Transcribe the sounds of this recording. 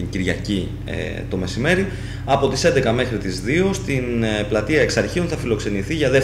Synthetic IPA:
iɲɟiɾʝɐcḭ | t̪o̞me̞sime̞ɾi | ɐpo̞t̪ise̞nd̪e̞kɐme̞xɾit̪izðio̞st̪inplɐt̪iɐeksɐɾçionθɐfilo̞kse̞niθiʝɐðe̞

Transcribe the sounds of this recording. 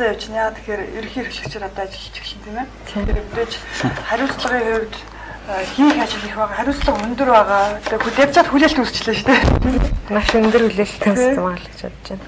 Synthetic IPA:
sæːjaw̥t͡ɕnaːt̪ʰe̥xeːɾiɾxiːrɮɘ̆kt͡ɕʰeːt̪ɔt̪ɔːat͡ɕɪ̆ɮ̆t͡ɕɪ̥̆xɮɘnt̪ʰemeːt̪ʰeeɾekt̪eːt͡ɕχæɾʲʊːɮt͡sɮə̆ʁiːŋχʊwʲt̪ | xiːŋxat͡ɕɪ̆ɮiːxpæːʁaːχæɾʲʊːt͡sɮə̆χɵnt̪ɵ̆rpæːʁaːt̪eːxut̪at̪ʲt͡ɕăt̪xuɮʲeɬt̪ust͡ɕɮeːt͡ɕt̪ʰeː | naʃɵnt̪ɵ̆rɵɮeːɬt̪ʰĕnɘ̆maʁɮə̆kt͡ɕʰa̰t̪̚t͡ɕeːn

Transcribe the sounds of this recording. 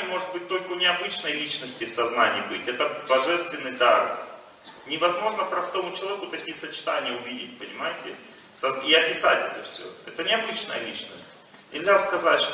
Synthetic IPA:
mo̞ʐɨt̪̚bɨt̚ʲt̪o̞lʲkəʊnʲɪɐbɨt͡ɕnəjlʲit͡ɕnəsʲtʲɪfsɐznanʲɪjːbɨtʲɛt̪əbɐʐɛst̪vʲɪnːɨjd̪ar | nʲɪvɐzmo̞ʐnəpɾɐst̪o̞mʊt͡ɕɪlˠɐvʲekʊt̪ɐkʲijəsət͡ɕɪ̥t̪anʲɪjəʊvʲidʲɪtʲpənʲɪmajɪtʲɪ̰ | sɐziɐpʲɪsatʲɛt̪əfsʲɵ̰ɛt̪ənʲɪɐbɨt͡ɕnəjə̰lʲit͡ɕnəsʲtʲ | nʲɪlʲzʲaskɐzatʲʂt̪

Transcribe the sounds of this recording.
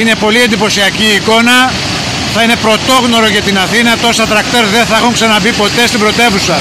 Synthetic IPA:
ine̞po̞lie̞nd̪ipo̞siɐciːko̞nɐ | θɐine̞pɾo̞t̪o̞ɣno̞ɾo̞ʝɐt̪inɐθinɐt̪o̞sɐt̪ɾɐk̚t̪e̞ɾðenθɐexuŋksɐnɐbipo̞t̪e̞st̪ibɾo̞t̪e̞vusɐ

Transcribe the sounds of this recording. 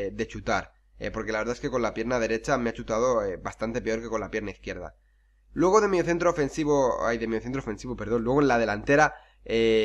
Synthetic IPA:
d̪e̞t͡ʃut̪aɾ | ḛpo̞ɾke̞laβɾðaeske̞ko̞nlapje̞ɾnaðe̞ɾe̞t͡ʃame̞at͡ʃut̪að̞o̞ebast̪ant̪e̞pe̞o̞ɾke̞ko̞nlapje̞ɾnaiθkje̞ɾða̰ | lwe̞ɣoðe̞mioθe̞nt̪ɾofe̞nsiβoa̰jðemioθent̪ɾofe̞nsiβope̞ɾðo̞nlwe̞ɣ̞oenlað̞e̞lant̪e̞ɾa | e

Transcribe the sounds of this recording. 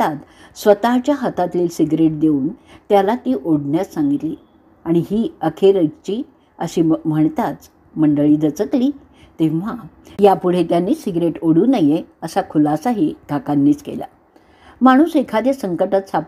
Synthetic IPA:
at̪ | sʋət̪at͡ɕjaɦət̪at̪liːlsiɡɾeʈ̚d̪euːnt̪jalat̪iːʔoɽɳjat͡ssãŋɡit̪liː | aɽ̃iɦiːəkʰeɾəɡt͡ɕiː | əɕiːm̤əɳt̪at͡s | məɳɖəɭiːd͡z̪ət͡səkliː | t̪ẽʋ̤ajapuɽ̤et̪janːiːsiɡɾeʈoɽuːnəjeəsakʰulasaɦiɡ̪ʱakanːiːt͡skḛla̰ | maɽ̃uːsekʰad̪ʱesəŋkəʈət̪sʰap

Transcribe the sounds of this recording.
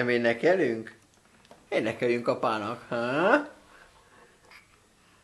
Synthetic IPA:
ɛmeːnɛkɛlyŋk | eːnɛkɛlyŋkɒpaːnɒkhã

